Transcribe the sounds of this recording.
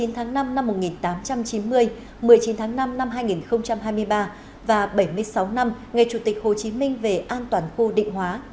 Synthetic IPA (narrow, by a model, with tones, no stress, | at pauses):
i˨˦nt̪ʰaː˨˦ŋna˧mna˧mːo˨˩t̚ŋi˨˩nt̪aː˨˦mt͡ɕa˧mt͡ɕi˨˦nmɨ˧əj | mɨ˨˩əjt͡ɕi˨˦nt̪ʰaː˨˦ŋna˧mna˧mɦaː˧jŋi˨˩nxə˧wŋ͡mt͡ɕa˧mɦaː˧jmɨ˧əjɓaː˧ | vaː˨˩ɓə˧˩jmɨ˧əjsa˨˦wna˧mŋa˨˩jt͡ɕu˧˩t̪i˨˩k̟̚ho˨˩t͡ɕi˨˦mï˧ŋ̟ve˨˩ʔaː˧nt̪waː˨˩nxu˧ɗḭ˧˨ŋ̟ɦwaː˨˦